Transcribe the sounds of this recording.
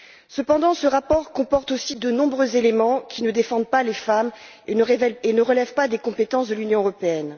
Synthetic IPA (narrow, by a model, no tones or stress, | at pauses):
səpɑ̃d̪ɑ̃səʁapɔʁkɔ̃pɔʁt̪osid̪ənɔ̃bʁøzelemɑ̃kʲʰinəd̪efɑ̃d̪̚palefam | enəʁvɛenəʁəlɛvpad̪ekɔ̃pet̪ɑ̃sd̪əlynjɔ̃øʁɔpeɛn